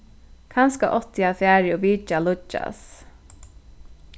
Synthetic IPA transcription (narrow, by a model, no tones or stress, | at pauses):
kʰanskaʔɔt̪ɪafæːɾɪɔviːt͡ʃalʊt͡ʃːa̰s